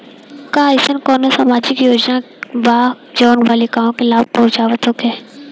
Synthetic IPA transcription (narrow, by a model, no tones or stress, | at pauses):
kaːɪsənkɔːnosamaːd͡ʒɪkjoːd͡ʒna | ʋaː | d͡ʒɔːnʋaːlikaːmõkelaːb̚pɐɦʊ̃t͡ʃaːʋət̪ɦoːkɛː